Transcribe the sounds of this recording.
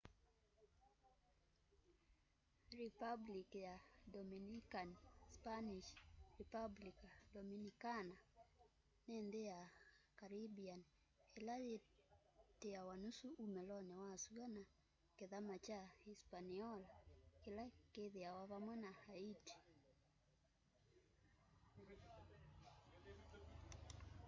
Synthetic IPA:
ɾipablikjadɔminikanspaniʃripablikadɔminikana | nend̪ejakaɾibian | elaje | teawanusuumɛlɔnɛwasuɡana | keðamat͡ʃaispaniɔlakelakeðeawaβamwɛnahaiti̥

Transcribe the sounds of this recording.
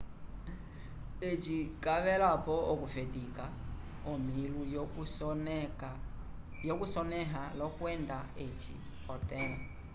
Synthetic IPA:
et͡ʃikʼaβɛlapɔɔkufedika | ɔmiluj | jɔkusɔnɛɦalɔkwɛndaet͡ʃḭ | ɔtɛma

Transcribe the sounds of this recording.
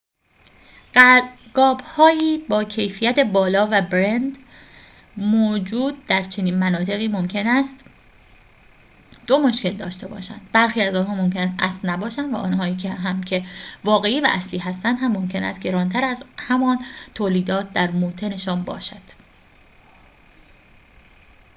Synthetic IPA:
ɡɒːbhɒːiːbɒːcʰe̞jfijæt̪ʰe̞bɒːlɒːvæbɾend̪ | moːd͡ʒuːd̪̚d̪æɾt͡ʃʰe̞niːnmænɒːt̪ʰe̞ɣiːmo̞mcʰenæst̪ | d̪̥o̞mo̞ʃce̞ld̪ɒ̰ːʃt̪e̞bɒ̰ːʃæ̰nd̪̥bæɾxiːæzɒːnɦɒːmo̞mcʰe̞næs̬t̪æ̰slnæbɒːʃænd̪væ̰ʔɒ̰ːnɦɒːiːcʰeɦæmcʰe̞vɒːɣe̞iːvæ̰ʔæsliːɦæst̪ænd̪hæmːomcʰe̞næ̰st̪ɡɟe̞ɾɒːnt̪ʰæɾæzhæmɒːnt̪ʰoːliːd̪ɒːt̪̚ʰd̪æɾmuːt̪ʰe̞ne̞ʃɒːnbɒ̰ːʃæd̪̥

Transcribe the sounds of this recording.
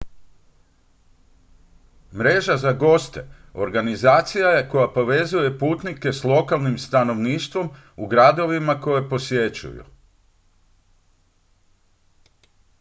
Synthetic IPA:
mɾe̞ʒazaɡo̞st̪e̞̰ | o̞̰ɾɡanizaːt̪sijaje̞ko̞japo̞ʋe̞zuje̞puːt̪nike̞slˠo̞kalˠnimst̪ano̞ʋniːʃt̪ʋo̞m | uɡɾad̪o̞ʋimako̞je̞po̞sje̞t͡ʃṵjṵ

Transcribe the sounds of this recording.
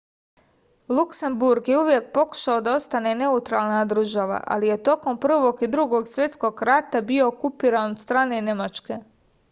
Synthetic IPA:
lˠukse̞mbuɾɡjeuʋje̞k̚po̞ku̥ʃaod̪ao̞st̪ane̞ne̞ut̪ɾaːlˠnad̪r̩ʒaʋa̰ʔa̰lije̞t̪o̞ko̞mpr̩ʋo̞ɡid̪ɾuɡo̞ɡsʋje̞t̪sko̞ɡɾat̪abio̞ːkupiːɾanod̪st̪ɾaːne̞ne̞mat͡ʃke̞

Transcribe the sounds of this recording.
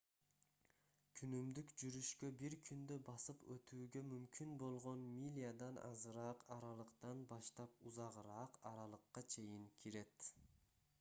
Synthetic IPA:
kʰynymd̪ykd͡ʒyɾyʃkøbiɾkʰynd̪øbɑsɯpøt̪ʰyːɡø̞mymkʲynbolˠʁo̞nmʲilʲijad̪ɑnʔɑ̰zɯɾɑːqɑɾɑlˠɯqt̪ɑnbɑʃt̪ɑp̚uzɑʁɯɾɑːqɑɾɑlˠɯqːɑt͡ʃʰe̞jiŋkʲʰiɾe̞t̪

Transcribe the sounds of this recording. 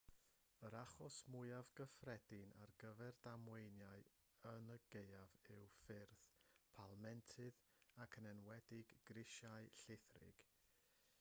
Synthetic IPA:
əɾaχɔsmʊɨavɡəfrɛdɪna̰rɡəvɛrdamwejnjaɨ | ənəɡejavɪwfɪrθpʰalˠmɛntʰɨðakʰənɛnwɛdɪɡɡrɪʃaɨɬɪθrɪ̰ɡ̥

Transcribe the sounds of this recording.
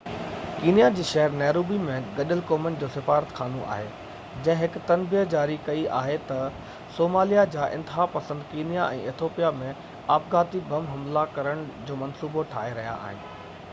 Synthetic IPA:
kiːnijad͡ʑiːʃɛɦəɾnɛːɾoːbimẽɡɐɗəlkoːmənɪ̆d͡ʑoːsɪfaːɾət̪kʰaːnõ̰ʔa̰ːɦeː | d͡ʑɐ̃ɦɪ̃ɦɪkt̪ɐnbijəd͡ʑaːɾikɐiʔa̰ːɦet̪ɐ | soːmaːlijad͡ʑaːʔɪ̰̃nt̪ɪɦaːpɐsə̃nd̪kiːnijaɛ̰̃ːeːt̪ʰoːpijamẽ | aːpɡaːt̪ibʱɐmɦɐmlakɐɾəɽ̃d͡ʑoːmɐnsuːboʈʰaːɦeɾɐɦija̰a̰ːɦɪnɪ̆

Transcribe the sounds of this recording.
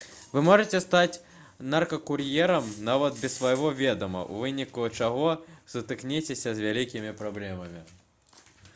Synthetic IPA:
vɨmɔʐɨt͡sʲɛst̪at͡sʲ | nɐrkɐkurjɛɾɐmnavɐd̪bʲɛsvɐjɣɔvʲɛd̪ɐmɐ̰ʔṵvɨnʲikut͡ʂaɣɔzɐt̪ɨknʲɛt͡sʲesʲɐzʲvʲalʲikʲimʲipɾablʲɛmɐmʲi

